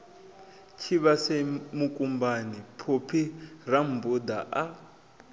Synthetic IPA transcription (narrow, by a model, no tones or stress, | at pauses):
t͡ʃʰiβasemukʼumbanipʰupʰiram̩bud̪aʔa